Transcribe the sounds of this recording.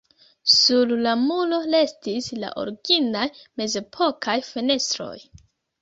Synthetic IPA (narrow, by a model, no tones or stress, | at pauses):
sullamulo̞le̞stisla̰ʔo̰ɾɡinajme̞ze̞pʰo̞kʰajfe̞ne̞stɾo̞̰j